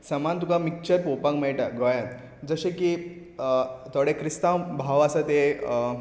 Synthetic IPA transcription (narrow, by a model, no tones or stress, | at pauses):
səmant̪ukamikt͡ɕəɾpopakmɛɭʈaɡɔjãt̪ | d͡zəɕeki | t̪oɽekɾist̪ãwbʱaʋəsat̪e